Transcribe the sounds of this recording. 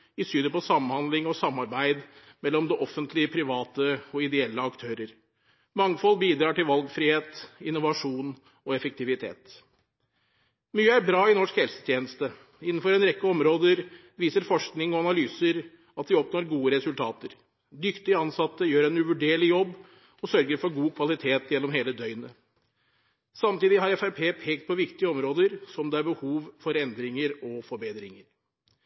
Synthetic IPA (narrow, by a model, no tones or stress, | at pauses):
ɪsyːd̪əpɔsɑmnhɑnd̪lɪŋɔsɑmːɑɾbæɪd̪ | mɛlːɔmd̪ɛʔɔfːənt̪ʰlɪəpʰɾɪʋɑːt̪əɔɪd̪ɛɛlːəɑkt̪ʰøːɾəɾ | mɑŋːfɔlːbiːd̪ɾɑːʈɪlʋɑlɡfɾiːheːt̪ɪnːʊʋɑʂuːn | ɔɛfək̚t̪ɪʋɪt̪ʰḛːt̪ | myːəæɾbɾɑːɪnɔʂkhɛlsə̥t̪ʰjeːnəst̪ə | ɪnːnfɔɾɛnɾɛkːəɔmɾoːd̪əɾ | ʋiːsəɾfɔʂknɪŋɔɑnɑlyːsəɾ | ɑt̪ʋɪɔpnoːɾɡuːəɾɛsʉlt̪ʰɑːt̪əɾ | d̪ʏkt̪ɪɑnsɑt̪ːəjøːɾɛnʉʋʉɖeːɭɪjɔbː | ɔsœɾɡəɾfɔɾɡuːkʰʋɑlɪt̪ʰeːt̪jɛnːɔmɦeːləd̪œʏnə | sɑmt̪iːd̪ɪɦɑɾɛfæɾpʰeːpʰeːk̚t̪̚pʰɔʋɪkt̪ɪəɔmɾoːd̪əɾsɔmd̪ɛæɾbəhuːʋfɔɾɛnd̪ɾɪŋəɾɔfɔɾbeːd̪ɾɪŋəɾ